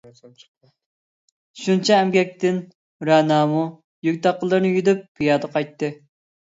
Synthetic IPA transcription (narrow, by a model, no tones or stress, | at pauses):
ʃunt͡ʃʰɛːmɡʲɛk̚ʲt̪ɪn | ɾɛnɑːmu | jyk̚ʲt̪ɑqːəlˠɨɾnɨjyd̪yp̚ːʰijɑːd̪əqʰɑjt̪ːɨ